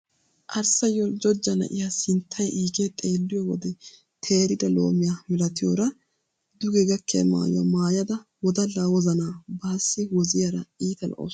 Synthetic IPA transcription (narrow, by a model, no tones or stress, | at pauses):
ʔɐɾsɐjɔd͡ʒɔd͡ʒːɐnɐ̰ʔɪjasɪnt̪ʰːɐjʔiːɡet̪ʼe̞ːlːɪjɔwɔ̰d̪ɛ | t̪ʰe̞ːɾɪd̪ɐlo̞ːmɪjamɪlɐt̪ɪjo̰ːɾɐ | d̪ʊɡɛɡɐkːɛɐ̰ma̰ːjʊ̰wɐ̰maːjɐd̪ɐwɔd̪ɐlaːwɔzɐnaːbaːsːɪwɔzɪjɐɾɐiːt̪ɐlɔ̰ʔo̰